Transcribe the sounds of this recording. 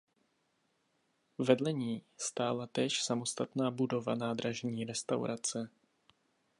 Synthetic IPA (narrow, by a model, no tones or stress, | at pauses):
vɛdlɛɲiːst̪aːlat̪ɛːʃsamo̞st̪at̪naːbudo̞va̰naːd̪ɾaʒɲiːɾɛst̪awɾʔat͡sɛ